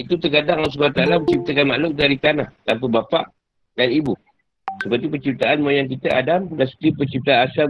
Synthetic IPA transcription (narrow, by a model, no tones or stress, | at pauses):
it̪ut̪ərkadaŋs̬əbat̪alamət͡ʃip̚t̪əkanmaʔlʊʔ̚daɾit̪anaht̪ampabapaʔ | danibu | səpərt̪ipərt͡ʃip̚t̪aʔanmajaŋk̬it̪aʔa̰damdansə̥t̪ipərt͡ʃip̚t̪aanasa